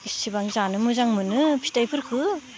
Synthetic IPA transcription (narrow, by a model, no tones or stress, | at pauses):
isibaŋzanɯmɯzaŋmɯnɯpʰi̥tajpʰɯɾkʰɯ